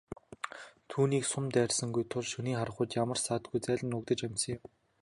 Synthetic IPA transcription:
t̪ʰuːniːksʊmt̪æːrʲsə̆ŋɡujt̪ʰʊɮʃɵniːχaɾə̆χʊːt̪jamə̆rsaːt̪̚ɡujt͡sæːɮʲə̆nʊkt̪ə̆t͡ɕæmʲsə̆ŋjɪm

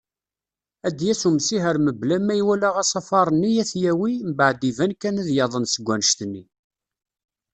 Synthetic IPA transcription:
æd̪jæsumsiɦəɾməblæmːæjwælæʁɑsɑfɑɾˤənːijæθjæwimbaʕd̪ivænkːænæðjɑðˤənsəɡʷːænəʃt̪nːi

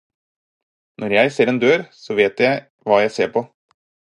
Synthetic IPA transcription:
nʔɔɾjæɪseːɾeːnd̪øːɾsɔʋeːt̪jæɪ | ʋɑːjæɪseːɾpʰɔ

